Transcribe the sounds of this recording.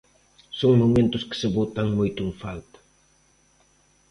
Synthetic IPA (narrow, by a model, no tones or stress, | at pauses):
soŋmomẽnt̪ʊskɪ̥seβot̪aŋmojt̪ʊɪŋfalt̪ḁ